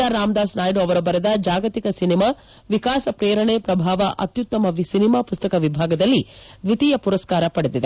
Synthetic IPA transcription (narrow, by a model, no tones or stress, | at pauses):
aɾaːmd̪aːsnaːjɖoɐʋɐɾɐbɐɾed̪ɐd͡ʒaːɡɐt̪ikɐsinimaː | ʋikaːsɐpɾeːɾɐɳepɾɐbʱaːʋɐʔɐ̰t̪jut̪ːɐmɐʋsinimaːpust̪ɐkɐʋibʱaːɡɐd̪ɐlːiʋit̪ijɐpuɾɐskaːɾɐpɐɽed̪id̪e